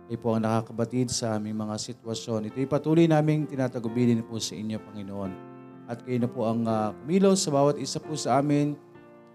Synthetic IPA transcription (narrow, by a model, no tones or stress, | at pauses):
kɐjpoʔɐŋnɐkaːkɐbɐt̪ɪd̪sɐʔaːmɪŋmɐŋasɪt̪wɐʃjo̞nʔɪt̪ojpɐt̪uːlojnaːmɪŋt̪ɪnaːt̪ɐɡʊbiːlɪnposɐʔɪnjo̞pɐŋɪnoʔo̞n | ʔɐt̪̚kɐjʊnɐpoʔɐŋakʊmiːlo̞sɐbaːwɐt̪̚ʔɪsapusɐʔaːmɪn